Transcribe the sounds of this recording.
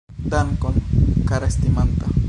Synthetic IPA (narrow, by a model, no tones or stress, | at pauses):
d̪ankonkaɾast̪imant̪a